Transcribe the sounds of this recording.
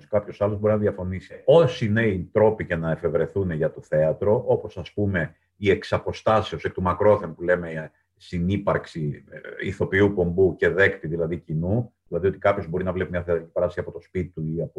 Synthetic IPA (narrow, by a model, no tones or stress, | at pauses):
skɐpço̞sɐlobo̞ɾinɐðiɐfo̞nisi̥o̞sine̞it̪ɾo̞picenɐe̞fe̞vɾe̞θuneʝɐt̪o̞θe̞ɐt̪ɾo̞ʔo̞po̞sɐspume̞ | ie̞ksɐpo̞st̪ɐsio̞sekt̪umɐkɾo̞θempule̞me̞ | sinipɐɾksiḭθo̞piupo̞mbuce̞ðe̞kt̪iðilɐðicinuðilɐðiot̪i̥kɐpço̞zbo̞ɾinɐvle̞pimɲɐθeɐt̪ɾicipɐɾɐst̪ɐsiɐpo̞t̪o̞spit̪it̪uiɐp